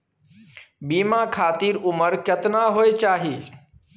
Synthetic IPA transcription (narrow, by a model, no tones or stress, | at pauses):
bimakʰaːt̪iɾuməɾkjət̪naɦojt͡ʃaːɦi